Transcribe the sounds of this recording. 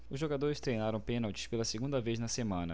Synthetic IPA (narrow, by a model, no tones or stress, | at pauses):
ʊzʒoɡad̪oɾɪst̪ɾejnaɾɐ̃w̃pẽnawt͡ʃ̪ɪ̥spelɐseɡũd̪ɐvejznɐsemɐ̃nɐ̰